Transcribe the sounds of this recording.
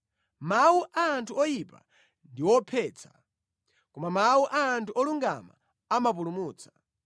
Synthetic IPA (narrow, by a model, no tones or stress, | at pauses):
mawuʔaːntʰuɔjipa̰ | ndiwɔpʰɛːt͡sʰḁ̰ | kɔmamawuʔaːntuʔɔluŋɡa̰ma̰ | amap̬ulumuːt͡sʰḁ